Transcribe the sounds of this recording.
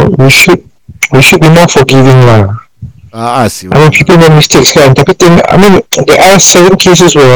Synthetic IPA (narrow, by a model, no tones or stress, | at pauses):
wiʃud̚ | wiʃud̚bimɔfɔɡivɪ̃ŋla | aɪmĩnpʰipəlmek̚mistekslaɛ̃ntapit̪ɪ̃ŋa̰mĩndɛʔasɛvə̃nkʰes̬əswɛ